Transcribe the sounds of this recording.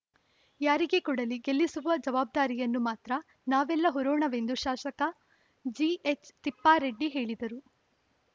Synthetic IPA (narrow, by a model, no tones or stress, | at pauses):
jaːɾiɡe̞kuɽɐliɡelːisuʋɐd͡ʒɐʋaːb̚d̪aːɾijɐnːumaːt̪ɾɐ | naːʋɛlːɐɦɔɾoːɳɐʋend̪uʃaːʃɐkɐ | d͡ʒiet͡ʃt̪ipːaːɾeɖːiɦe̞ːɭid̪ɐɾu